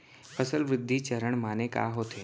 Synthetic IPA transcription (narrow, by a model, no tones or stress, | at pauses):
fəsəlʋɾɪd̪ʱːit͡ʃəɾəɳ̃maːneka̰ɦot̪ʰeː